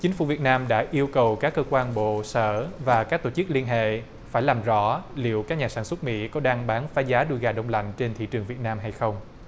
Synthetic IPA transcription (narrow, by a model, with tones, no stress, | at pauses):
t͡ɕï˨˦ŋ̟fṵ˧˩vi˨˩ət̚naː˧mɗa̰ː˧˥ʔi˧əwkə˨˩wkaː˦˥kːəː˧kwaː˧nɓo̰˧˨səː˧˩vaː˨˩kaː˦˥k̚t̪o˧˩t͡ɕɨ˦˥k̚li˧ənɦḛ˧˨ | faː˧˩jlaː˨˩mzɔ̰˧˥lḭ˧˨əwkaː˦˥k̚ɲaː˨˩saː˧˩nswə˦˥t̚mḭ˧˥kɔ˨˦ɗaː˧ŋɓaː˨˦nfaː˨˦jzaː˨˦ɗu˧jɣaː˨˩ɗə˧wŋ͡mla̰˧˨jŋ̟t͡ɕe˧nt̪ʰḭ˧˨t͡ɕɨ˨˩əŋvi˨˩ət̚naː˧mɦa˧jxə˧wŋ͡m